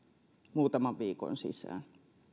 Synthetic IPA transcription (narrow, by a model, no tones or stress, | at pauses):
muːt̪ɑmɑʋʋiːko̰nsḭsæ̰ːn